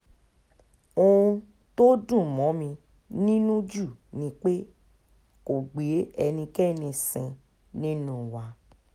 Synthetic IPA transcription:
õ˦ũ˧ | to˦dũ˦˨mɔ̃˨˦mĩ˧ | nĩ˦nũ˦d͡ʒu˦˨nĩ˧k͡pe˦ | ko˨ɡ͡be˨˦ɛ˧nĩ˧kɛ˦˨nĩ˧sĩ˧ | nĩ˦nũ˦˨wa˧˦

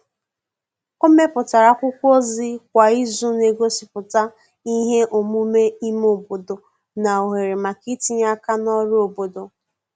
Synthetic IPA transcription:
o˦me˦pʊ˨ta˨ɾa˨kʷʊ˦kʷo˦zɪ˦kʷa˨i˦zu˦ne˨ɡo˦si˨pʊ˨ta˦ | i˦ɦe˦ʔo˨mu˦me˦i˦mo˨bo˨do˨ | na˨o˨ɦe˨ɾe˨ma˨ki˦ti˦ɲ˦a˦ka˦nɔ˦ɾo˨bo˨do˨

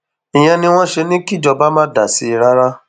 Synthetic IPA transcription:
ĩ˨j̃ɛ̃˧nĩ˧w̃ɔ̃˦ʃe˧nĩ˦ki˦d͡ʒɔ˧ba˦mã˦da˨si˨˦i˧˨ɾa˦ɾa˦

